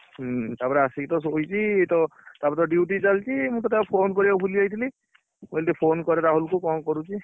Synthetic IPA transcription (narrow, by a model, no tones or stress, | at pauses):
t̪apɾaasikit̪ɔs̬oɦit͡ʃiet̪ɔt̪apɔt̪ɔɖjuʈizalt͡ʃimũt̪ɔt̪apʰonkɔɾiapʰuliajt̪ʰili | muelt̪ipʰonkɔɾɛɾaɦolkukɔ̃kɔɾut͡ʃʰi